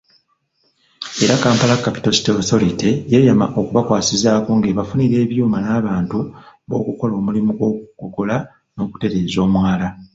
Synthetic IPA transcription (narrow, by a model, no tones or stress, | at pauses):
e̞ɾakaːmpalakːapi̥to̞si̥tosoliteje̞jama̰ʔo̞kuβakwaːsizaːko̞ːŋɡeβafuniɾe̞ːβjuːmanaːβaːntuβo̞̰ːkuko̞lo̞ːmulimuɡwo̞kukoko̞la | no̞ːku̥te̞ɾe̞ːzo̞ːmwaːla